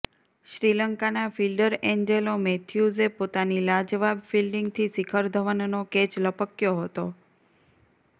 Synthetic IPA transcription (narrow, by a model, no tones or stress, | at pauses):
ʃɾiləŋkanafilɖəɾeɲd͡ʒelomet̪ʰjuzepot̪anilad͡ʒʋabfilɖiŋɡt̪ʰisikʰəɾd̪ʱəʋənnoket͡ʃləpəkjoɦət̪o